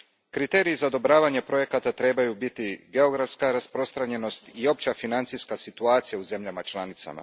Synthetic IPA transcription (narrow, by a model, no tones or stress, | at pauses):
kɾit̪e̞ːɾiːzaod̪o̞bɾaːʋaɲepɾo̞je̞kat̪at̪ɾe̞bajubit̪iɡe̞o̞ɡɾafskaɾaspɾo̞st̪ɾaɲe̞no̞st̪io̞p̚t͡ɕafinant̪siskasit̪uaːt̪sijauze̞mʎamat͡ʃlanit̪sa̰ma̰